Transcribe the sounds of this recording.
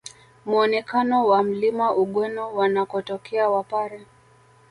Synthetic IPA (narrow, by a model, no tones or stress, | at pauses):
muɔnɛkanɔwam̩limaʔuɠwɛnɔwanakɔtɔkʰɛawapaɾɛ